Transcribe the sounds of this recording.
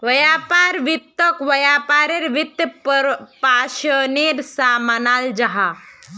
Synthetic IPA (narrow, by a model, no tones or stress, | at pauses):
ʋɐjapaɾʋit̪ːəkʋɐjapaɾeɾʋit̪ːəpaʃəneɾsamanaːld͡ʒaɦa